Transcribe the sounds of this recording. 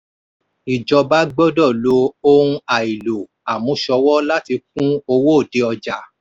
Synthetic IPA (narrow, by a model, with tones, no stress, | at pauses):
i˨d͡ʒɔ˨˧ba˦ɡ͡bɔ˦dɔ˦˨lo˧˦o˦ɾũ˧a˨i˨lo˨ | a˨mũ˨˧˦ʃɔ˧˦wɔ˦la˦ti˧k̚ũ˦o˧wo˦o˦˨de˨˧˦ɔ˧d͡ʒa˨˦